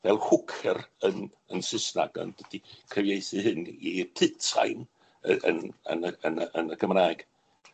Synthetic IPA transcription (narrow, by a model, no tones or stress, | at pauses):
vɛlˠhʊkʰɛrən | ənsɪsna̰ɡɔ̰nd̥əd̥ikʰəvjejθɨhɨnipʰɨtʰa̰jn | əə̰nə̰nəənəənəɡʰəmraːɛɡ̥